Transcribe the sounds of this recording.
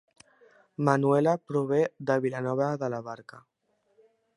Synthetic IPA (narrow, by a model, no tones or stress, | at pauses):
manuelapɾoβeðaβilanɔβ̞aðalaβaɾka